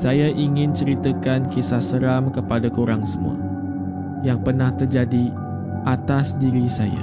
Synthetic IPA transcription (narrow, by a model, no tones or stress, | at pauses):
sajaʔiŋɪ̃nt͡ʃəɾit̪akankisasəɾamkəpadakuɾaŋsəmṵa̰ | jaŋpərnaht̪ərd͡ʒadi | ʔat̪asdiɾisaja̰